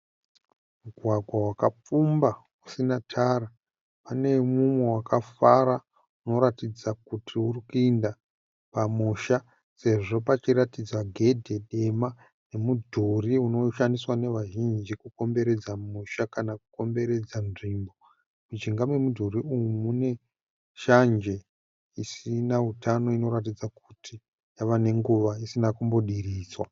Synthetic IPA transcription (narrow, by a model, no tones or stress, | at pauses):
muɡʱwaɡʱwawakap͡fumba | usinatʰaːɾa | pane̞mumwe̞wakʰafaɾa | uno̞ɾatid͡zakutʰiurikuinda | pamuʃa | se̞ʐo̞pat͡ʃiɾatid͡zaɡʱe̞dʱe̞ɗe̞ma | ne̞mudʱuriuno̞ʃandiswane̞ʋaʒind͡ʒikuko̞mbe̞ɾe̞d͡zamuʃakanakuko̞mbe̞ɾe̞d͡zanʐimbo̞ | mud͡ʒiŋɡamwe̞mudʱuɾiujumune̞ | ʃand͡ʒe̞ | isinautano̞ino̞ɾat̬id͡zak̚utʰi | jaʋane̞ŋɡuʋaisinakumbo̞ɗiriːswa